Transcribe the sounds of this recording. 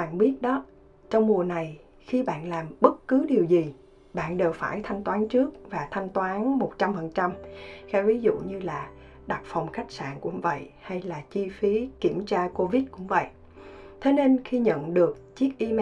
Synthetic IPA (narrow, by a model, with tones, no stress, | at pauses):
a̰ː˧˨nɓi˦˥ət̚ɗɔ˨˦ | t͡ɕɔ˧wŋ͡mmu˨˩əna˨˩j | xi˧ɓa̰ː˧˨nlaː˨˩mɓə˦˥t̚kɨ˨˦ɗi˨˩əwzi˨˩ | ɓa̰ː˧˨nɗe˨˩wfaː˧˩jt̪ʰa˧jŋ̟t̪waː˨˦nt͡ɕɨ˦˥ək̚vaː˨˩t̪ʰa˧jŋ̟t̪waː˨˦nmo˨˩t̚t͡ɕa˧mfə˨˩nt͡ɕa˧mxaː˨˦vi˨˦zṵ˧˨ɲɨ˧laː˨˩ | ɗa˨˩t̚fɔ˨˩wŋ͡mxa˦˥jk̟̚sa̰ː˧˨nkʊ̰˧˥ŋ͡mvə̰˧˨jha˧jlaː˨˩t͡ɕi˧fi˨˦ki˧˩əmt͡ɕaː˧ko˧vi˦˥t̚kʊ̰˧˥ŋ͡mvə̰˧˨j | t̪ʰe˨˦ne˧nxi˧ɲə̰˧˨nɗɨ˨˩ək̚t͡ɕi˦˥ək̚ʔi˧m